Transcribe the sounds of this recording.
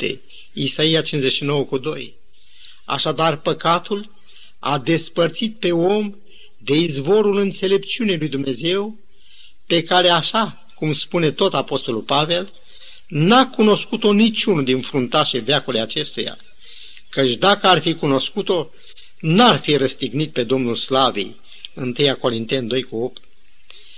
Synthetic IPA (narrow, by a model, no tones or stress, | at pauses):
ḛ | isaijat͡ʃinzeʃino̞wəkud̪o̞j | a̰ʃad̪arpəkat̪ul | a̰d̪e̞spərt̪sit̪̚pe̞o̞m | d̪e̞izvo̞ɾulɨnt̪se̞le̞p̚t͡ʃiunejlujd̪umne̞ze̞w | pe̞kaɾe̞aʃa | kumspune̞t̪o̞t̪apo̞st̪o̞lulpave̞l | nakuno̞skut̪o̞nit͡ʃunud̪infɾunt̪aʃeveakulejat͡ʃe̞st̪uja̰ | kət͡ʃʲd̪akəarfikuno̞skut̪o̞ | narfiɾəst̪iɡnit̪̚pe̞d̪o̞mnulslavḭj | ɨnt̪ɨjako̞ɾint̪e̞nd̪o̞jkuo̞p̚t̪